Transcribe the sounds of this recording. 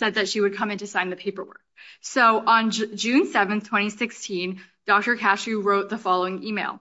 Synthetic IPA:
sɛd̪̚ðɨtʃiwɨd̚kʰʌ̃mɨ̃ntɨsãɪ̃nðɨpʰeɪpə˞wɜ̰˞k̚soʊʔə̃nd͡ʒʉ̃nsɛvɨ̃nθtʰw̥ɛ̃ɾ̃isɪkstʰĩn | d̥ɔk̚tə˞kʰæʃʉɹoʊt̪̚ðəfɑlˠoʊɪ̃ŋimeɪlˠ

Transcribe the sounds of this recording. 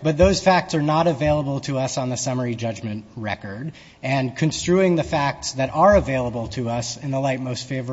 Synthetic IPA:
b̥ʌt̪̚ðoʊz̥fæk̚tsə˞nəɾɨveɪlˠəbl̩ˠtʰɨʌsn̩ðɨsʌmə˞id͡ʒʌd͡ʒmɨ̃ntɹɛ̰kə˞d | ɨ̃nkʰɨ̃nstɹ̥ʉɪ̃ŋðɨfæk̚tsðɨɾʔə˞ɨveɪlˠəbl̩ˠtʰɨʌsɨ̃nðəlaɪt̚moʊstfeɪvə

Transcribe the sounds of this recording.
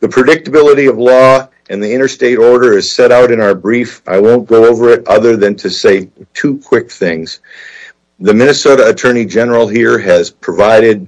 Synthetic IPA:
ðɨpʰɹ̥ɨdɪk̚tɨbɪlˠəɾiʌvlɔ | ʔɨ̃nðiɪ̃ɾ̃ə˞steɪɾɔɹɾə˞ɨz̥sɛɾaʊɾɨ̃naʊə˞bɹifʔa̰ɪwõʊ̃nɡ̥oʊoʊvə˞ɪɾʌ̰ðə˞ðɨ̃ntʰɨseɪtʰukʰw̥ɪk̚θɪ̃ŋz̥ | ðɨmɪ̃ñɨsoʊɾəːtʰɜ̃˞ñid͡ʒɛnə˞l̩ˠhiɹɨz̥pʰɹ̥ɨvaɪɾɪd̚

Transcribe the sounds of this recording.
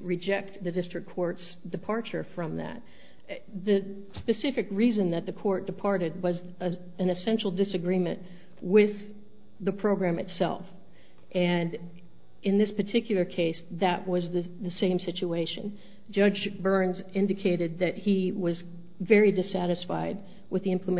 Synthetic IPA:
ɹɨd͡ʒɛk̚t̪̚ðɨdɪstɹ̥ɨkʰːɔɹtsd̥ɨpʰɑɹt͡ʃə˞fɹʌ̃mðɨ̰t̪̚ | ðɨ | spɨsɪfɨkɹizɨ̃nðɨt̪̚ðɨkʰɔɹt̚d̥ɨpʰɑɹɾɨd̚wʌz | ɨ̃nɨsɛ̃nʃl̩ˠdɨsɨɡɹĩmɨ̰̃nʔ | wɪð | ðɨpʰɹ̥oʊɡɹæ̃mɨtsɛ̰lˠf | ʔɨ̃n | ɨ̃nðɪspə˞tʰɪkjl̩ˠə˞kʰeɪsðɨʔ̚wʌzðɨðɨsẽɪ̃msɪt͡ʃueɪʃɨ̰̃n | d͡ʒʌd͡ʒbɜ̃˞nzɪ̃ndɨkʰeɪɾɨd̪̚ðɨt̚hiwʌz | vɛɹidɨsæɾɨsfa̰ɪd̚ | wɨðiɪ̃mpʰləm

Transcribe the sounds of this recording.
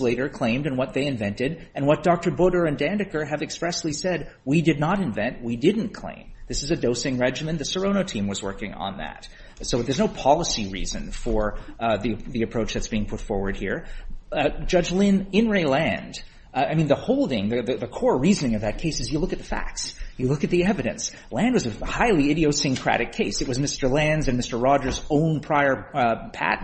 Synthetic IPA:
leɪɾə˞kʰl̥ẽɪ̃mdɨ̃nwʌt̪̚ðeɪɨ̃ɱvɛ̃ntɪɾɨ̃nwʌt̚d̥ɑk̚tə˞bʊɾə˞ɨ̃ndæ̃ndɨkə˞ɨvɨkspɹɛsˡlisɛd̚widɨdⁿnəɾɨ̃ɱvɛ̃nʔ̚widɪdⁿn̩kʰl̥ḛ̃ɪ̃mðɪsɨzɨdoʊsɪ̃ŋɹɛd͡ʒɨmɨ̃nðɨsə˞õʊñoʊtʰĩmwʌzwɜ̰˞kɪ̰̃ŋə̰̃nðæ̰t | soʊðə˞znoʊpʰɑlˠəsiɹḭzɨ̰̃nfə˞ðiðiɨpʰɹ̥oʊt͡ʃðɨtsb̥iɪ̃ŋpʰʊtfɔɹwə˞d̚hḭɹ | d͡ʒʌd͡ʒlɪ̃nɪ̃nɹeɪlæ̃nd̥ | aɪmĩnðəhoʊlˠdɪ̃ŋðɨðɨðɨkʰɔɹɹizɨnɪ̃ŋʌvðɨt̚kʰeɪsɨzjɨlʊkɨt̪̚ðə̥fæ̰k̚sjɨlʊkɨt̪̚ðiɛvɨɾɨ̰̃ns | læ̃ndwʌzɨhaɪlˠiɪɾioʊsɨ̃ŋkʰɹ̥æ̰ɾɨkʰeɪsɨt̚wʌzmɪstə˞læ̃nzɨ̃nmɪstə˞ɹɑd͡ʒə˞zõʊ̃npʰɹ̥aɪə˞pʰæ̰t

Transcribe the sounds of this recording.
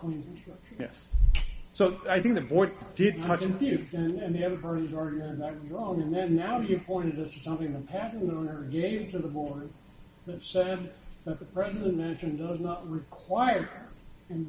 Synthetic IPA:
kʰl̥ĩnkɨ̃n̩stɹ̥ʌk̚ʃjɛ̰s | soʊaɪθɪ̃ŋk̚ðɨt̚bɔɹd̚dɪd̚tʰʌkɨ̃ɱfjʉzdɨ̃nɨ̃nðiʌðə˞pɑɹɾizɑɹɡjʉd̪̚ðɨt̚wʌzɹɔ̃ŋɨ̃nðɨ̃nːaʊjɨɨpʰɔ̃ɪ̃ɾ̃ɨdʌstʰɨsʌ̃mθɪ̃ŋðɨt̚pʰæʔn̩də̃n̩ə˞ɡẽɪ̃vtʰɨðəbɔɹd̪̚ | ðɨtsɛd̪̚ðɨt̪̚ðəpʰɹ̥ɛzɨɾɨ̃nmɛ̃nʃɨ̃ndʌznət̚ɹɪkʰw̥aɪə˞hə˞ɨ̃n

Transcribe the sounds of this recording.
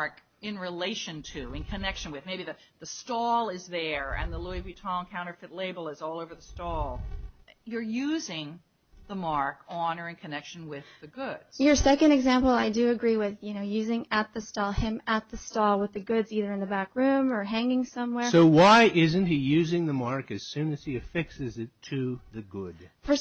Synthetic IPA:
ɹk | ɪ̃nɹileɪʃɨ̃ntʰɨɨ̃nkʰɨnɛkʃɨ̃nwɨðmeɪbiðɨðɨstɔlˠɪzðə˞ɨ̰̃nðəluibitʰɑ̃ŋkʰãʊ̃ñə˞fɪtˡleɪbl̩ˠəzɔlˠoʊvə˞ðəstɔlˠ | jə˞jʉzɪ̃ŋ | ðəmɑɹkɑnə˞ɨ̃nkʰɨnɛkʃn̩wɪðɨɡʊd̥z̥jə˞sɛkɨ̃ndɨɡzæ̃mpl̩ˠaɪdɨɨɡɹiwɪðjɨñoʊjʉzɪ̃ŋɨt̪̚ðɨstɔlˠɪ̃mət̪̚ðɨstɔlˠwəðɨɡʊdziðə˞ɨ̃nðɨbækɹʉ̃mə˞ɦæ̃ŋɪ̃ŋsʌ̃mwɛɹsoʊwaɪʔɪzɨ̃n̩t̚hijʉzɪ̃ŋðɨmɑɹkɨz̥sʉ̃nɨz̥iɨfɪksɨzɨtʰɨðɨɡʊd̥ | fə˞s

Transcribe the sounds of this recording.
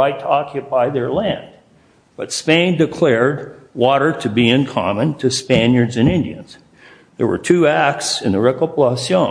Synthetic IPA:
aɪtʰəɑkʰjɨpʰaɪðə˞læ̃n | b̥ʌtspẽɪ̃ndɨkʰl̥ɛɹd̚wɔɾə˞ɾɨbiɪ̃nkʰɑ̰mə̃ntʰɨspæ̃njə˞dzɨ̃nɪ̃ndiɨ̃nz̥ | ðə̰˞wə̰˞tʰʉæk̚tsɨ̃nðəɹɛkəplɑsjõ

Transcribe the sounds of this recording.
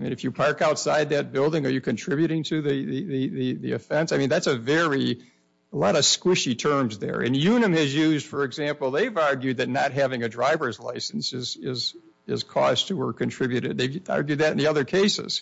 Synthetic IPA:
aɪmĩnɨfjɨpʰɑɹkaʊtsaɪd̪̚ðɨt̚b̥ɪlˠdɪ̃ŋə˞jɨkʰɨ̃ntʰɹ̥ɪbjʉɾɪ̃ŋtʰɨðiðiðiðiðiɨfɛ̃ntsaɪmĩnðætsɨvɛɹi | əlɔɾʌv̥skwɪʃitʰɜ̃˞mzðə̰˞ɨ̰̃njʉnɨ̃mɨzjʉzd̥fə˞ɨɡzæ̃mpl̩ˠðeɪvɑɹɡjʉd̪̚ðɨtⁿnət̚ɦævɪ̃ŋɨdɹaɪvə˞zla̰ɪsn̩sɪzɪz | ɪ̰z̥kʰɔ̰z̥tʰəwə˞kʰɨ̃ntʰɹ̥ɪbjʉɾɪd̪̚ðeɪvɑ̰ɹɡjʉd̪̚ðɨɾn̩ðiʌðə˞kʰeɪsɪ̰z̥

